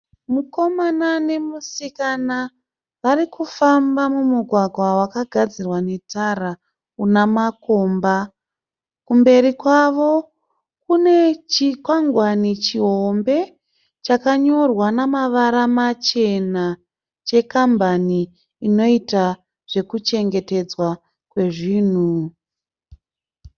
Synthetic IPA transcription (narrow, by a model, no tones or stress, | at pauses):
muko̞manane̞musikana | ʋarikufambamumuɡʱwaɡʱwawakaɡʱad͡zirwane̞tara | unamako̞ːmba | kumbe̞ɾikwaʋo̞ | kune̞t͡ʃikwaŋɡwanit͡ʃiɦo̞mbe̞ | t͡ʃakaɲo̞rwanamaʋaɾamat͡ʃe̞na | t͡ʃe̞kambaniː | no̞ita | ʐ̥e̞kut͡ʃe̞ŋɡe̞te̞d͡zwa | kwe̞ʐiːn̤u